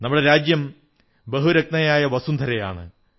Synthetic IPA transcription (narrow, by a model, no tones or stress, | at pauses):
nɐmːuɽeɾaːd͡ʑjɐm | bɐɦuɾɐk̚t̪ɐjaːjɐʋɐsund̪ʱɐɾɐja̰ːɳɨ̰